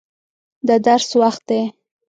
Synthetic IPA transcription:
d̪əd̪aɾswaxt̪̚d̪e

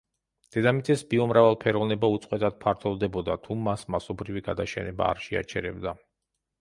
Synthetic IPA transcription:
d̪̥ɛd̪amit̪sʼɛsbiɔmɾavalˠpʰɛɾɔvnɛbaut̪sʼqʼwɛt̪ʼad̪̥̚pʰaɾt̪ʰɔvˠd̪ɛbɔd̪at̪ʰumːasmasɔbɾiviɡad̪aʃɛnɛba̰ːɾʃɛa̰t͡ʃʰɛɾɛ̰bd̪a

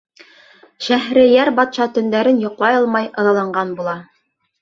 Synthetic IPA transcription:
ʃæɦɾɘjæɾbɑt̪ʃɑt̪ɵ̆nd̪æɾɘnjŏqlˠɑjɤlˠmɑjʔɤ̆ðɑlˠɑɴɢɑnbulˠɑ

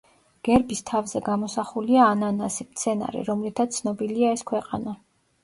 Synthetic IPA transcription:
ɡ̥ɛɾbist̪ʰavzɛɡamɔsaχuliaːnanasimt̪sʰɛna̰ɾḭɾɔmlit̪ʰat̪sʰnɔbiliaɛskʰwɛqʼa̰na

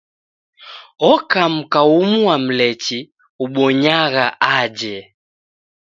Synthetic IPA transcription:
ɔkam̩kaumuwam̩lɛt͡ʃi | uɓɔɲaɣaʔad͡ʒɛ

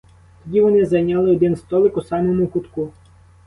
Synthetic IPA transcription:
t̪ɔdʲiʋɔnɪzɐjnʲɑlˠɪɔd̪ɪnst̪ɔlˠɪkʊsɑmɔmʊkʊt̪ku

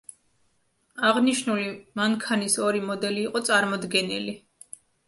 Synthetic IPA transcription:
aʁniʃnulimaŋkʰanisɔɾimɔd̪ɛliːqʼɔt̪sʼaɾmɔd̪ɡɛnili

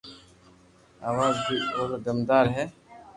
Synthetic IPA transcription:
aːʋaːzbioːɾd̪əmd̪aːɾɦɛː

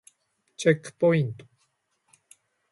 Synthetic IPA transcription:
t͡ʃɛkpoint̪u̥

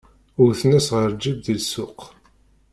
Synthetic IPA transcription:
ʊɾθnæsʁəɾd͡ʒivðilsʊq

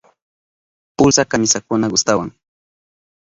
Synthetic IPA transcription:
pʊlsakamɪsakʊnaɡʊst̪awa̰ŋ

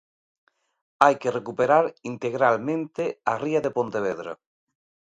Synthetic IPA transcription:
ajkerekupeɾaɾint̪eɣɾalmẽnt̪eariaðepõnt̪eβ̞eðɾa̰

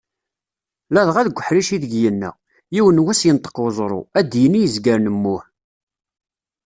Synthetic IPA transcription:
læðʁæðɡʷəħɾiʃiðəɡjənːæ̰ | jiwənwæsjənt̪ːə̥qwzˤɾˤo̰æd̪jənːijəzɡəɾnəmːʊħ

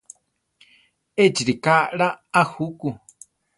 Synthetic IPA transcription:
ed͡ʒiɾikaɺaːhuku

